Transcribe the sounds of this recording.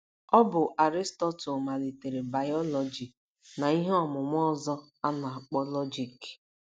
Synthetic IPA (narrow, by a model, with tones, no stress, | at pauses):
ɔ˦bʊ˨ʔa˨ɾi˦stɔ˦to˨ma˨li˨te˨ɾe˨ba˨jɔ˦lɔ˨d͡ʒi˨ | na˨i˦ɦe˦ɔ˦˨mʊ˨ŋʷɔ˦˨zɔ˦ | a˦na˨a˨k͡pɔ˦lɔ˦d͡ʒi˨k